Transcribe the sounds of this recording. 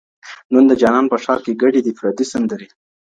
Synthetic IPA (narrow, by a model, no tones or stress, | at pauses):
nund̪əd͡ʒɑnɑnpəʃɑɾkeɡaɖid̪ifɾad̪isand̪əɾi